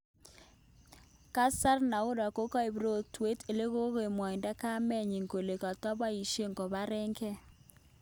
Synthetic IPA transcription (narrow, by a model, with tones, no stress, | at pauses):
ka˦sa˦rna˨ʊ˦ɾa˨ko˦ka˦e˨bɾo˦˨twe˦te˨le˦ɣo˦ɣe˨mwɔ˨ɪ˨nda˦ka˦mɛ˦˨ɲi˨ŋɡo˨le˨ka˨tɔ˦ba˦i˨ʃe˦ŋɡɔ˨βa˦ɾɛ˦ŋkɛ˦